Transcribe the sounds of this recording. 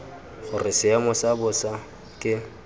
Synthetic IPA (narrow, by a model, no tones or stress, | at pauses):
χʊrɪsɪamʊsabʊsa | kʼɪ